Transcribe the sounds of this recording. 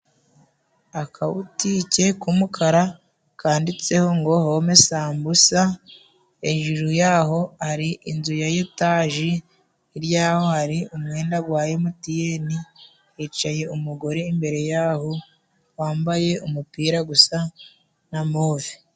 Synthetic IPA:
akʰaṵtice̞kumukʰaɾa | kʰaːndit͡se̞ho̞ŋɡo̞homesaːmbusa | eʒuɾujaːɦo̞haɾiʔinzujajetaːʒiː | ɾjaːho̞haɾiumŋe̞ːndaɡwaːjemutijeni | et͡ʃaje̞umuɡo̞ɾeimbe̞ɾe̞jaːɦo | waːmbaje̞umupiːɾaɡusa | namoːvi̥

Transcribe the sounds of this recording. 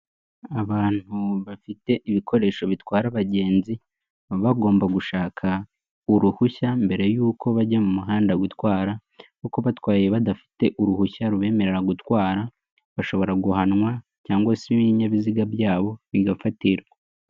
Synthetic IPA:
aβaːn̥huβafite̞ʔiβikʰo̞ɾe̞ːʃo̞βitwaːɾaβaɟe̞ːnzi | βaɡo̞ːmbaɡuʃaːkʰa | uɾuhuçambe̞ɾe̞juːko̞βaɟamumuɦaːndaɡwutwaːɾakuko̞βatwaːjeβadafi̥te̞ʔuɾuhuçaɾuβe̞ːme̞ɾe̞ɾaɡutwaːɾa | βaʃo̞βo̞ɾaɡuhanŋwa | caːŋɡwaseiβiɲaβiziɡabjaːβo̞βiɡafatiɾa

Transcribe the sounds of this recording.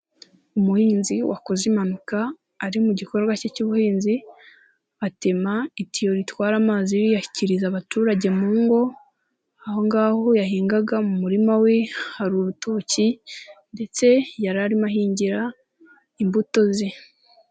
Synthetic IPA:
umuhiːnziwa̰ko̞zimanukaː | ɾimuɟiko̞ɾɡwacecuβuhiːnzi | atemaitijo̞ɾitwaːɾamaziɾijaçi̥ciɾizaβatuːɾaɟe̞muːŋɡo̞ | aho̞ŋɡaːho̞jaɦiːŋɡaɡamumuɾimawe̞haɾuɾutuːcinde̞t͡se̞jaɾaɾimahiːɲɟiɾa | imbuto̞zi

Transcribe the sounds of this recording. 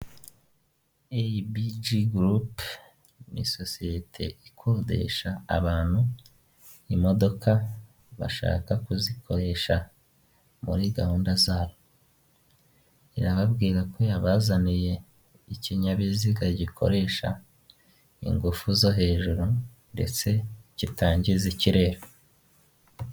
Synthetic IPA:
ebid͡ʒiɡɾup | nḭsosijetʰe̞̰ikʰodḛʃa̰ːβaːn̥hu | imo̞do̞kʰa | βa̰ʃa̰ːkakuzikʰo̞ɾe̞ʃa | mṵɾiɡahuːndazaːβo̞ | iɾaβabɡiːɾakwojaβazanije̞ | iciɲaβiziɡaɟikʰo̞̰ɾe̞ʃa | ḭŋɡufuzo̞ɦe̞ːʒuɾu | nde̞̰t͡se̞citaːɲɟiziciɾe̞ːɾo

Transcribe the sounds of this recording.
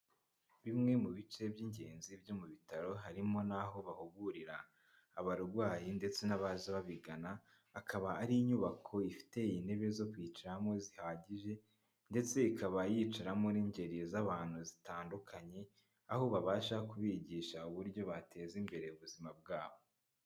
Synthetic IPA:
βimŋe̞muβit͡ʃe̞bjiːɲɟe̞ːnzibjo̞muβitaɾo̞ɦaɾimo̞naɦo̞βahuɡuɾiɾaː | βaɾuɾɡwaːjinde̞t͡se̞naβazaβaβiɡanaː | kaβaːɾiːɲuβakʰo̞ifi̥te̞ijine̞βe̞zokwiːt͡ʃaɾamo̞zihaːɟiʒe̞ | nde̞t͡se̞ikʰaβajit͡ʃaɾamoniːɲɟe̞ɾizaβaːn̥huzitaːndukʰaɲe̞ | ahoβaβaːʃakuβiɟiːʃauβuɾɟo̞βatʰe̞zimbe̞ɾe̞uβuzimab̚ɡaːβo̞

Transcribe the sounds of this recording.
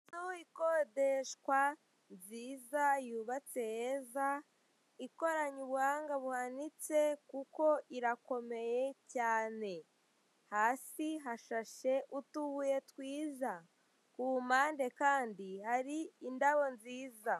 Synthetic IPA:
tuikodeʃkwa | nziːzajuːβat͡se̞jeza | iko̞ɾaɲuβuhaːŋɡaβuhanit͡se̞kuko̞ʔiɾako̞me̞je̞caːne̞ | haːsiɦaʃaʃe̞ʔutuβuje̞twiːza | kuumaːnde̞kaːndihaɾiːndaβo̞nziːza

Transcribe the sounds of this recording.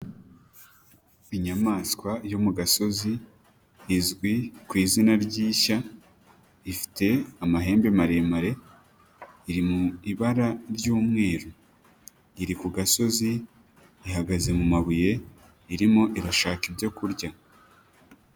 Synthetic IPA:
iɲamaːskwajo̞muɡaso̞ziː | zɡwikwiːzinaɾɟiːʃa | ifi̥te̞amaɦe̞ːmbemaɾe̞maɾe̞ | iɾimuiβaɾaɾjuːmŋe̞ːɾo | iɾikuɡaso̞ziː | ɦaɡaze̞mumaβuje̞ | iɾimoʔiɾaʃaːkibɟo̞kuɾɟa

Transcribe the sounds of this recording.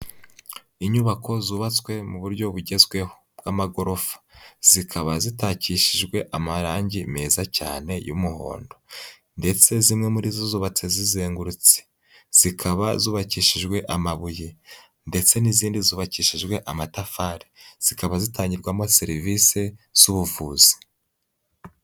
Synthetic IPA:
iɲuβakʰo̞zuːβat͡swe̞muβuɾɟo̞βuɟe̞zɡwe̞hobɡamaɡo̞ɾo̞fḁz̥ikʰaβazitaːciːʃiʒɡwe̞ʔamaɾaːɲɟimeːzaca̰ːne̞jṵmuho̞̰ːndo̞ | nde̞t͡se̞zimŋe̞muɾizozuːβat͡sezizeːŋɡuɾut͡se̥ | z̥ikʰaβazuːβaciːʃiʒɡwe̞ʔamaβuji | nde̞t͡se̞niziːndizuːβaciːʃiʒɡwe̞ʔamatafaːɾiz̥ikaβazitaːɲɟiɾɡwamoseɾiviːse̞z̥uβuvuːz̥i̥

